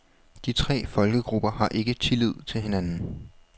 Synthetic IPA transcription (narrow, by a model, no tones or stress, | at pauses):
d̥it͡sʰʁɛ̰ːfɒ̽lɡ̥əɡ̥ʁub̥ɐhɑ̈ʔe̝ɡ̥ət͡sʰe̝lið̞̰ˠt͡sʰe̝lɦe̝nænn̩